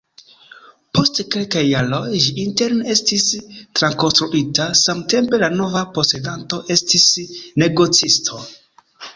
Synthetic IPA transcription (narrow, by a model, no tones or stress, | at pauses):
po̞stke̞lkajːalo̞jd͡ʒiinte̞ɾne̞stistɾanko̞nstɾuʔitasamte̞mpe̞lano̞vapo̞se̞danto̞ʔe̞stisne̞ɡo̞t͡sistʰo̞